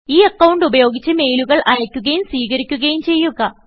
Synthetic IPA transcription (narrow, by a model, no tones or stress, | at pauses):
iːɐkːɐwɳɖubɐjo̞ːɡit͡ɕːɨme̞jluɣɐɭʔɐjɐkʲːuɣɐjumswiːɣɐɾikʲːuɣɐjumt͡ɕe̞jːuɣɐː